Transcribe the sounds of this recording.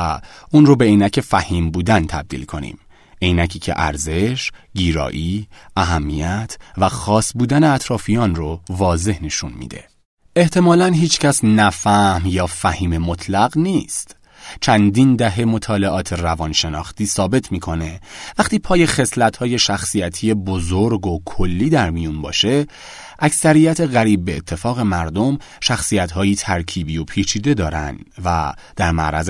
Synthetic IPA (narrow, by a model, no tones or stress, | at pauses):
uːnɾobe̞iːnæcʰe̞fæhiːmbuːd̪ænt̪ʰæb̚d̪ḭːlkʰo̞nḭːm | ʔeːnæcʰiːcʰḛʔæ̰ɾze̞ʃɟiːɾɒ̰ːʔiːʔæɦæmːijæt̪ʰvæxɒːsbuːd̪æneæt̪ʰɾɒːfijɒːnrovɒːze̞hneʃunmḭːd̪ḛ | e̞ht̪ʰe̞mɒːlænɦiːt͡ʃcʰæsnæfæhmjɒːfæhiːmemot̪ʰlæɢniːst̪ | t͡ʃʰænd̪ind̪æɦe̞mo̞t̪ʰɒːle̞ʔɒːt̪ʰe̞rævɒːnʃe̞nɒːxt̪iːsɒːbe̞t̪ʰmiːkʰo̞ne̞væχt̪iːpʰɒːje̞xe̞slæt̪hɒːje̞ʃæxsijæt̪ʰije̞bozoɾɡo̞kʰo̞lːiːd̪æɾmijunbɒ̰ːʃe̞ | ʔæcsæɾiːjæt̪ʰe̞ɣæɾiːb̚ːeːt̪ʰːe̞fɒːɣe̞mæɾd̪o̞m | ʃæxsijæt̪hɒːjiːt̪ʰæɾcʰiːbiːo̞pʰiːt͡ʃʰiːd̪e̞d̪ɒːɾæ̰nd̪væ̰ | d̪̥æɾmæ̰ʔɾæ̰z